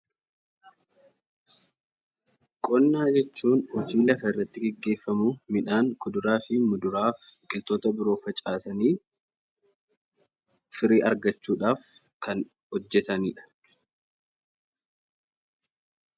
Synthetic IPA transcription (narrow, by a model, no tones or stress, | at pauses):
kʼɔnːaːd͡ʒɛt͡ʃːuːnhɔd͡ʒiːlɐfɐɪrːɐt̪ːɪɡɛɡːe̞ːfːɐmumɪᶑaːŋkʊd̪ʊɾaːfɪmʊd̪ʊɾaːfkʼɪlt̪oːt̪ɐbɪɾo̞ːfɐt͡ʃʼaːsɐniː | fɪɾiːʔɐɾɡɐt͡ʃːuːᶑaːf | kɐn | hɔd͡ʒːɛt̪ɐniːᶑɐ̥